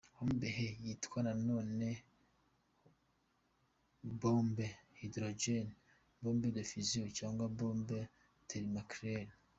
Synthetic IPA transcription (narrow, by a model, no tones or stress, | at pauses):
homubeɦejitkwanano̞ːne | boːmbehidɾod͡ʒen | boːmbedofiziocaːŋɡwaboːmbe | tʰeɾimakɾel